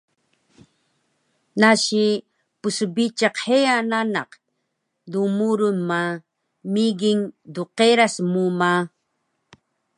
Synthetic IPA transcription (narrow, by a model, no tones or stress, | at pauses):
naʃi | pusubit͡ʃaqheananɑq | dumuɾunma | miɡiŋduqeɾasmuma